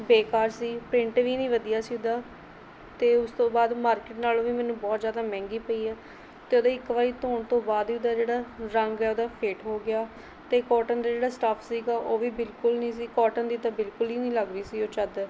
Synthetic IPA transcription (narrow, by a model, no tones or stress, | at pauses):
beːkaːɾsiːpɾɪ̃ɳʈʋiːnĩːʋəd̪ijaːsiːʊd̪aː | t̪eːʊst̪õːbaːd̪maːɾkeːʈnaːloːʋiːmɛːnũːbɔːt̪zjaːd̪aːmɛ̃ːŋɡiːpəiːɛː | t̪eːoːd̪ãːɪkʋaːɾiːt̪oːɳt̪õːbaːd̪ʋiːʊd̪aːd͡ʒeːɽaːɾəŋɡɛːoːd̪aːpʰeːʈɦoːɡɪaː | t̪eːkɔːʈənd̪aːd͡ʒeːɽaːsʈaːpʰsiːɡaːʔoːʋiːbɪlkʊlnĩːs̬iːkɔːʈənd̪iːd̪aːbɪlkʊliːnĩːləɡɾəiːsiːoːt͡ʃəd̪